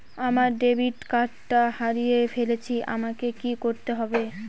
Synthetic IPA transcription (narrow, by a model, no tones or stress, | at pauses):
amaɾɖebʱiʈkaʈːahaɾijefelet͡ɕʰiʔa̰makekikoɾt̪eɦɔbe